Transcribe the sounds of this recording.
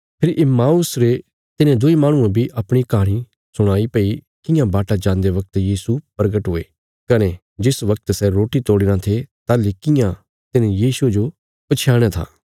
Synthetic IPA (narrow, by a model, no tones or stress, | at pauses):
pʰɪɾʔɪmaːʊsɾe | t̪ɪnẽd̪ʊimãːɽ̃ʊ̃ãbʱiʔɐpɽ̃ikaːɽ̃i | sʊɽ̃aːipɐi | kɪ̃jãbaːʈad͡ʒãːnd̪eʋɐk̚t̪jiːsupɾɡəʈɦʊːe | kɐne | d͡ʒɪsʋɐk̚t̪sɛɾoːʈit̪oːɽɪnãt̪ʰet̪aːlikɪjã | t̪ɪnẽjiːsued͡ʒo | pɐt͡ʃʰjaːɽ̃at̪ʰa̰ː